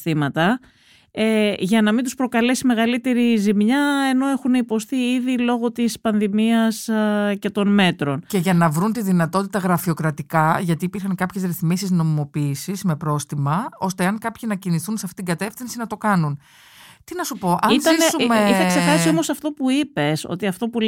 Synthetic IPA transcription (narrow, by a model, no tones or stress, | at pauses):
θimɐt̪ɐ | eʝɐnɐmind̪uspɾo̞kɐle̞sime̞ɣɐlit̪e̞ɾizimɲɐe̞no̞e̞xuneipo̞st̪iiðilo̞ɣo̞t̪ispɐnðimiɐsce̞t̪o̞nme̞t̪ɾo̞nce̞ʝɐnɐvɾunt̪iðinɐt̪o̞t̪it̪ɐɣɾɐfio̞kɾɐt̪ikɐʝɐt̪iːpiɾxɐŋkɐpçezɾiθmisizno̞mimo̞piːsizme̞pɾo̞st̪imɐo̞st̪e̞ɐŋkɐpçinɐciniθunseɐft̪it̪iŋɡɐt̪e̞fθinsinɐt̪o̞kɐnun | t̪inɐsupo̞ʔɐizɐiumeiθeksexɐsio̞mo̞sɐft̪o̞puipe̞so̞̰t̪iɐft̪o̞pu